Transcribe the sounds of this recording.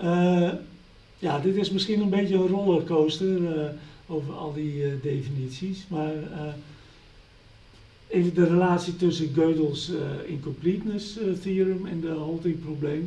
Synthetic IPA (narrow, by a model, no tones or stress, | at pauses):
ə | jadɪtɪsmɪskiənənbeːtjəənrolˠəkoːstəroːvərɔ̰lˠdideːfinisismarə | eːvəndərəlaːtsjitøsəɡøːdəlˠsɪ̰nkɔmplitnəsθiəɾəmɛndəɦolˠtɪŋprobleːm